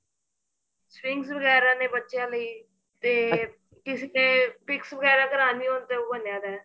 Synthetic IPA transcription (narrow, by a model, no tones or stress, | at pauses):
swɪŋɡsbəɣɛːɾãːnẽːbətːʃjãːləiː | t̪eː | kɪseːneːpɪksbəɡɛːɾãːkəɾaːniɦõːnt̪eːoːbənjaːd̪ɛː